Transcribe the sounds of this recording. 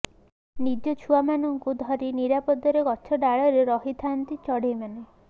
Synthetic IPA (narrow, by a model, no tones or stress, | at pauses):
nid͡ʒɔt͡ʃʰuamanɔŋkud̪ʱɔɾiniɾapɔd̪ɔɾeɡɔt͡ʃʰɔɖaɭɔɾeɾɔɦit̪ʰant̪it͡ʃɔɽejmane